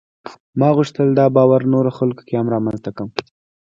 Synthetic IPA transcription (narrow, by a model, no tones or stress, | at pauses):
mɑɣuʂt̪əld̪ɑbɑwaɾnoɾoxalko̥keamɾɑmanzt̪akəm